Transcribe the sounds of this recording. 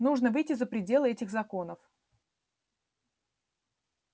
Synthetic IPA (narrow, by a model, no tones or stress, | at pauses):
nuʐnəvɨjtʲɪzəpɾʲɪdʲe̞lˠɨɛtʲɪxzɐko̞nəf